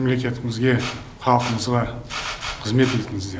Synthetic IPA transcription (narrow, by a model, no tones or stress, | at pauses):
mle̞kʲe̞t̪ɪmɪzɡʲe̞ | χɑlˠəqəməzʁɑ | qʰəzme̞t̪et̪ɪŋɪzd̪e